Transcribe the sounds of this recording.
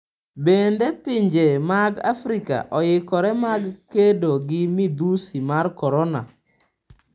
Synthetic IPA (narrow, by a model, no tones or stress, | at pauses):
bendepɪɲd͡ʒemaɡa̰fɾika̰ʔɔjɪkɔɾɛmaɡkedoɡɪmid̪usimarkɔɾɔna̰